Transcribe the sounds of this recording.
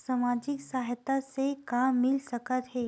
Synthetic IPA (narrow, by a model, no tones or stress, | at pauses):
samaːd͡ʒɪksaːɦt̪asekaːmːɪlsəkət̪ɦɛː